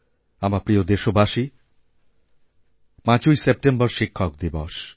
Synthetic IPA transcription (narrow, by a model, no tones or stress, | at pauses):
amapɾiod̪eʃobʱaʃi | pãt͡ɕujsep̚ʈembɔɾʃikʰːɔk̚d̪ibɔʃ